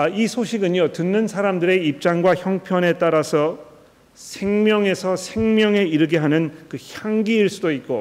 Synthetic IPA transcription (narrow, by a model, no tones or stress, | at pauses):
aisʰoɕʰiɡɯɲotɯnːɯnsʰaɾamdɯɾe̞ip̚t͡ɕ͈aŋɡwaçjʌŋpʰjʌne̞t͈aɾasʰʌ | sʰe̞ŋmjʌŋe̞sʰʌsʰe̞ŋmjʌŋe̞iɾɯɡeɦanɯnkɯçjaŋɡiːɭs͈udoit̚k͈o